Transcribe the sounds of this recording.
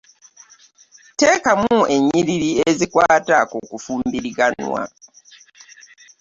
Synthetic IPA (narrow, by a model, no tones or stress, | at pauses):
teːkamuʔe̞ɲːiɾiɾiezikwaːtakokufuːmbiɾiɡanwa̰